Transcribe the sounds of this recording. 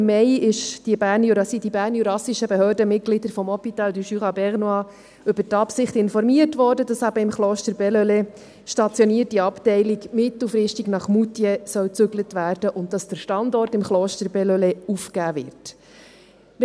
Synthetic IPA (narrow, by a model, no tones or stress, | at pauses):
mːɛɪɪʃd̥ibæːɾnjuɾɑsidibæːɾnjuɾɑsiʃəbɛɦøːɾdəmɪt̚ɡ̥lidəɾfɔmɔpitɑld̪yʃyʁɑbɛʁnoɑ | ʏbəɾtɑpsɪχtɪnfɔɾmiərtʋɔːɾdədɑsæbəɪmχloːʃtəɾbɛløle | ʃtɑt͡sjɔniətiɑptɛɪliɡmɪtl̩fɾɪʃtiɡnɑχmutjɛsœwt͡sʏɡlətʋæːɾd̥əʔʊnt̚d̥ɑsd̥əɾʃtɑndɔrtɪmχloːʃtəɾbɛløleufkæːvɪrt